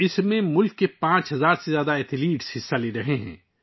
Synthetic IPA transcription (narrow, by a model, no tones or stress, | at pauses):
ɪsmẽmʊlkːepãːt͡ʃɦɐzaːɾsezjaːd̪aɛt̪ʰɪliːʈsɦɪsːaleɾɐɦeɦɛ̰̃ː